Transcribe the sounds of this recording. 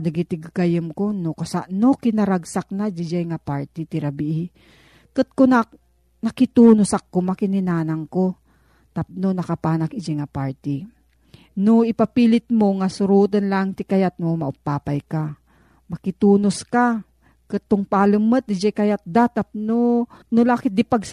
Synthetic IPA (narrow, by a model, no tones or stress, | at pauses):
d̪ɐɡit̪ɪɡkajɪmkonokasaʔnokɪnɐɾaɡsak̚nad͡ʒɪd͡ʒɛjŋapaɹt̪it̪ɪɾabiʔ | kɨt̪̚kona | nɐkɪt̪uːnosakːomakɪnɪnaːnaŋko | t̪ap̚nonɐkapaːnakɪd͡ʒɛjŋapaɹt̪i | noɪpapiːlɪt̪̚moŋasʊɾuːt̪̬ɐnlaŋt̪ɪkajat̪̚ŋomɐʔʊpːaːpajka | mɐkɪt̪uːnoska | kɨt̪̚ːʊŋpaːlɨmːət̪̚d̪ɪd͡ʒɛjkɐjat̪̚d̪at̪ap̚nonolaːkɪt̪̚d̪ɪpaɡs